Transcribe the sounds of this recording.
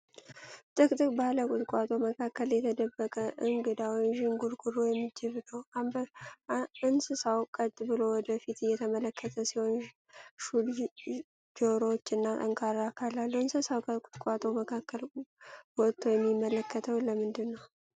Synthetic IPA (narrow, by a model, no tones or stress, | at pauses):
t̪ʼɨkʼt̪ʼɨkʼbaləkʼʊt̪ʼkʷʼat̪ʼo̞məkʰakːəljɛt̪ʰəd̪əbːəkʼəʔɨŋɡɨd̪awiʒɨŋɡuɾɡuɾojɛmːɨd͡ʒːɪβnəwab | ɨnsɨsawkʼət̪ʼːbɨlo̞wɔd̪əfit̪ʰɨjɛt̪ʰəmələkːət̪ʰəsiho̞n | ʃul | d͡ʒoɾot͡ʃːɨnːat̪ʼə̰ŋkʰaɾakʰalalːuɨnsəsawkəkʼʊt̪ʼkʼat̪ʼoməkʰakːəlwɔt̪ʰʼːo̞jɛmːimːələkʰːət̪ʰəwləmɨnd̪ɨnːəw